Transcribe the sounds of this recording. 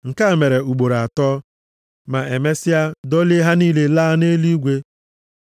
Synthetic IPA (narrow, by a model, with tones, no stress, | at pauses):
ŋ̩˨ka˦˨me˨ɾe˨u˨ɡ͡bo˨ɾa˨tɔː˦ | ma˨e˨me˦sɪ˦a˦dɔ˦le˦ɦa˦niː˦le˦laː˦ne˦li˦ɡʷe˦